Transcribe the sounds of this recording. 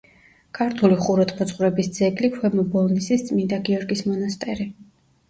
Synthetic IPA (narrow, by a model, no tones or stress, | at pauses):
kʰaɾt̪ʰuliχuɾɔt̪ʰmɔt̪sʼχʼvɾɛbisd̪zɛɡlikʰwɛmɔbɔlˠnisist̪sʼmind̪aɡiɔɾɡismɔnast̪ʼɛɾi